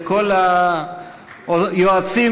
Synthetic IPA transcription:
ko̞la | ojoat͡si

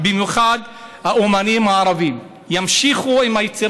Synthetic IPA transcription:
bimjuχad̪haʔumanimaːɾavim | jamʃiχuimhajet͡siɾ

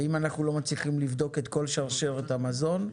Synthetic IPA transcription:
imanaχnulo̞mat͡sliχimlivd̪o̞ke̞t̪ko̞lʃaʁʃeʁet̪amazo̞n

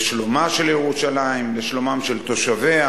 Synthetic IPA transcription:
ʃlomaʃeljeʁuʃalaimleʃlomamʃelt̪o̞ʃavea

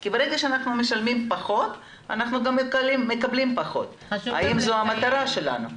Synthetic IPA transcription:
kibeʁeɡaʃeanaχnume̞ʃalmimpaχo̞t̪ | a̰naχnuɡamːeklimːe̞kablimpaχo̞̰t̪ | a̰imzoamat̪aɾaʃe̞la̰nu

